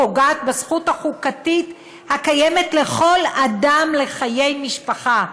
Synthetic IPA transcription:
oɡaːt̪̚basχuthaχukatit | hakaje̞me̞tle̞χo̞ladamle̞χaje̞jmiʃpaχa

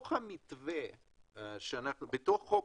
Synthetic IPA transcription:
χhamitve | ʃeanaχnubet̪oχːo

